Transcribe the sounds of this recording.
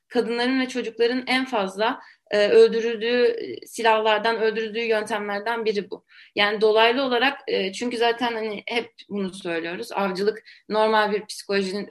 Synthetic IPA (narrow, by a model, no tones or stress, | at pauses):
kʰad̪ɯnlˠaɾɯnvɛt͡ʃʰo̞d͡ʒuklˠaɾɯnænfazlˠa | ɯːø̞lʲd̪yɾylʲd̪yːsilʲahlˠaɾd̪anø̞lʲd̪yɾylʲd̪yːjø̞nt̪ʰæmlʲæɾd̪ænbiɾibṵ | jaːnid̪o̞lˠajlˠɯo̞lˠaɾakɯːt͡ʃʰyɲcyzaːt̪ʰænhanihɛp̚bunusø̞jlʲijo̞ɾuza̰vd͡ʒɯlˠɯkno̞ɾmalʲbiɾpʰi̥si̥kʰo̞lʲoʒinin